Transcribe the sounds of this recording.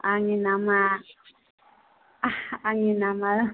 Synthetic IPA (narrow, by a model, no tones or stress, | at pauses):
ʔaŋinama | aŋinamal